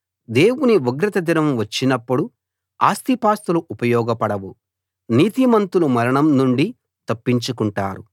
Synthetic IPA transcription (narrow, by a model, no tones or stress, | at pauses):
d̪e̞ːwuniʋuɡɾɐt̪ɐd̪inɐmʋɐt͡ʃːinɐpːuɽu | a̰ːst̪ipaːst̪uluʔupɐjɔːɡɐpɐɽɐʋu | niːt̪imɐnt̪ulumɐɾɐɳɐmnuɳɖi | t̪ɐpːiɲt͡ʃukuɳʈa̰ːɾu